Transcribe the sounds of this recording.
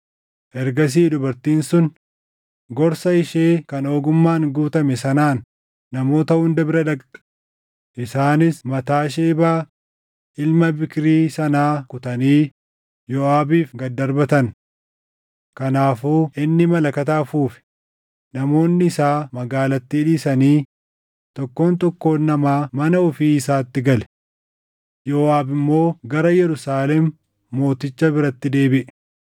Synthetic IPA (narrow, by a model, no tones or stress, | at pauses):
ʔɛɾɡɐs̬iːd̪ʊbɐɾt̪iːnsʊn | ɡɔɾsɐɪʃeːkɐno̞ːɡʊmːaːnɡuːt̪ɐmɛsɐnaːnː | ɐmo̞ːt̪ɐhʊnd̪ɐbɪɾɐd̪ɐk | ʔɪsaːnɪsmɐt̪aːʃ̬eːbaː | ʔɪlmɐbɪkɾiːsɐnaːkʊt̪ɐniː | jɔaːbiːfɡɐd̪ːɐɾbɐt̪ɐn | kɐnaːfuːʔɪnːɪmɐlɐkɐt̪aːfuːfɪ̥ | nɐmo̞ːnːɪːsaːmɐɡaːlɐt̪ːɪːᶑiːsɐniː | t̪ɔkːo̞ːnt̪ɔkːo̞ːnːɐmaːmɐnɐʊfiːɪsaːt̪ːɪɡɐlɛ̥ | joaːbɪmːo̞ːɡɐɾɐjɛɾʊsaːlɛmː | o̞ːt̪ɪt͡ʃːɐbɪɾɐt̪ːɪd̪e̞ːbɪʔɛ̥